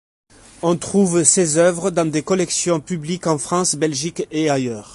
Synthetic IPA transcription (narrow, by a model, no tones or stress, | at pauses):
ɔ̃t̪χuvsezœvʁəd̪ɑ̃d̪ekɔlɛksjɔ̃pyblikɑ̃fχɑ̃sbɛlʒikeajœːʁ